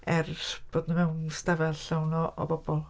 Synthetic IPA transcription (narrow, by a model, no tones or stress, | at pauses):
ɛrb̥oːdnəmɛwnstavɛlɬawnɔʔɔ̰bɔb̥ɔlˠ